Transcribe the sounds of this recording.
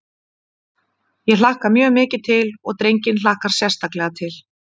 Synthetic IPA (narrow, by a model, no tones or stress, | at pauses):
jɛl̥ahkamjœːɣmɪːcɪt̪ʰɪlɔɣt̪ɾejɲcɪnlaːhkaɾ̥sjɛr̥st̪aklɛɣat̪ʰɪl